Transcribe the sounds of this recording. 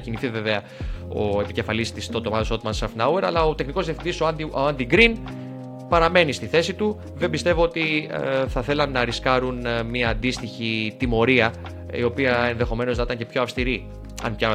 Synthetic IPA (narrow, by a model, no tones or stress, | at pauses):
ciniθive̞veɐ | o̞̰e̞pice̞fɐlist̪ist̪ot̪o̞mɐt̪osot̪mɐnsɐft̪nɐwe̞ɾɐ̰lɐot̪e̞xniko̞zðiɐfθind̪isooɐnd̪iɡɾin | pɐɾɐme̞nist̪iθe̞sit̪u | ðe̞mbist̪e̞voo̞t̪iθɐθe̞lɐnːɐɾiskɐɾunmiɐːnd̪ist̪içit̪imo̞ɾiɐ | io̞piɐe̞nðe̞xo̞me̞noznɐit̪ɐɲcepço̞ɐfst̪iɾi | ɐ̰npçɐ